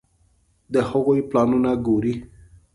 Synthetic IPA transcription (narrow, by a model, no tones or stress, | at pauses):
d̪əhəɣojplɑnunaɡoɾi